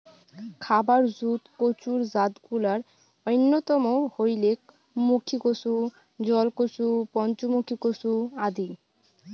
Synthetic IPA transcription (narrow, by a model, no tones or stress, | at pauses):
kʰabaɾzut̪kot͡ɕuɾzad̪kulaɾ | ojnːot̪ɔmohojlek | mukʰikosu | d͡ʑɔlkosupɔnt͡ɕomukʰikosuad̪i